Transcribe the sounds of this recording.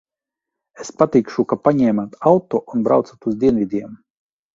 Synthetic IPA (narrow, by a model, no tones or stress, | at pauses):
espat̪iːkʃukapaɲɛːmat̪alt̪uʔunbɾa̰wt̪sat̪uzd̪ʲiɛnvʲid̪ʲiɛm